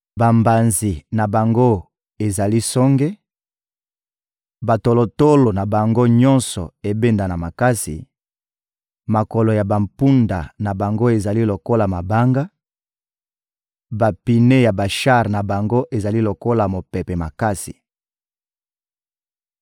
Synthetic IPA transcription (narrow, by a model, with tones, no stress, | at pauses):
ba˨mba˨nzi˨na˨ba˨ŋɡo˦ | e˨za˨li˦sɔ˦ŋɡe˦ | ba˨to˨lo˨to˦lo˨na˨ba˨ŋɡo˦ɲɔ̃˦nsɔ̰˨e˨be˦nda˨na˨ma˨ka˦sḭ˨ | ma˨ko˨lo˨ja˨ba˨mpu˦nda̰˨na˨ba˨ŋɡo˦e˨za˨li˦lo˨ko˦la˨ma˨ba˦ŋɡa˦ | ba˨pi˨ne˦ja˨ba˨ʃa˦ʁna˨ba˨ŋɡo˦ʔe˨za˨li˦lo˨ko˦la˨mo˨pɛ˨pe˨ma̰˨ka˦sḭ˨